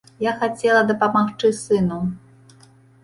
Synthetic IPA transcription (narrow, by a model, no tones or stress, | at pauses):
jaxat͡sʲɛlˠɐd̪ɐpamaxt͡ʂɨsɨnu